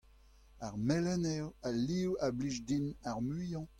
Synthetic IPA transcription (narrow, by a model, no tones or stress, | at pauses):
aʁmɛlɛnɛwaliwabliʒdinaʁmyjɑ̃